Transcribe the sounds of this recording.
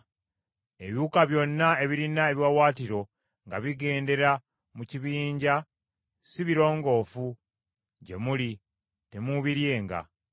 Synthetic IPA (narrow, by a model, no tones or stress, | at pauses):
e̞βiukaβjo̞nːae̞βiɾinaeβjwawaːtiɾo̞ | ŋɡa̰βiɡe̞ːnde̞ɾa | muciβiːɲɟa | siβiɾo̞ːŋɡo̞ːfu | ɟe̞̰muli | te̞muːβiɾje̞ːŋɡa̰